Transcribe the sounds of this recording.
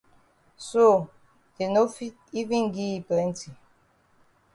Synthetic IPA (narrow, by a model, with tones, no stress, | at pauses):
so˦˨ | de˨no˦fi˦ | i˦vĩ˦ŋɡi˦i˨plɛ̃˦ntʰi˨